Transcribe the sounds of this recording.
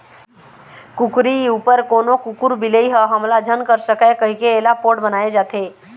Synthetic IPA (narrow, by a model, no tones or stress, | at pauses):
kʊkɾiuːpəɾkoːnokʊkuɾbɪleiɦɛɦəmlad͡ʒʱənkəɾsəkɛkəɦikeːlapoːʈbənaːed͡ʒaːt̪ʰeː